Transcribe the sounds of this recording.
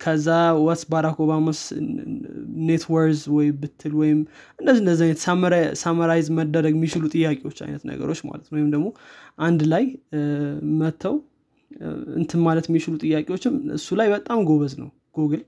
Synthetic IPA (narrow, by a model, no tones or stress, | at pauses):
kʰəzːawɔsbaɾakoβamas | net̪ʰwəɾzwɔjbɨt̪ʰːɨlwɔjɪmʔɨndəzːind̪əzːajnət̪smsamaɾajzməd̪ːəɾəɡmːit͡ʃɪlut̪ʼɨjːakʼewo̞t͡ʃːa̰jnət̪nə̰ɡə̰ɾo̞t͡ʃːma̰lət̪nəwjɪmd̪əɡmo̞ʔand̪laj | mət̪ʰːəw | ɨ̰nt̪ʰɨnmalət̪jmːit͡ʃɪlut̪ʼɨjːakʼewo̞t͡ʃːɪmɨ̰sːulajbət̪ʼamɡo̞βəznə̰w | ɡ̥oɡɨl